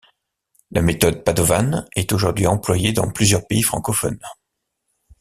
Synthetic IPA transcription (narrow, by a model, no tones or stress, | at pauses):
lʔamet̪ɔd̪̚pad̪ɔvanɛt̪oʒuʁd̪ɥiɑ̃plwajed̪ɑ̰̃plyzjœʁpeifχɑ̃kɔfɔ̰n